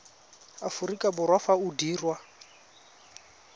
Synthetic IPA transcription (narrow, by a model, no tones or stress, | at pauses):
afuɾikʼabʊrwafaudiːrwa